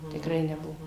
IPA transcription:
tʲɪkˈrɐɪ nʲɛˈbʊʋoː

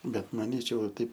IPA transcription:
ˈbʲɛt mɐˈnʲiːt͡ʃʲɛʊ ʋɐ ˈtɐɪp

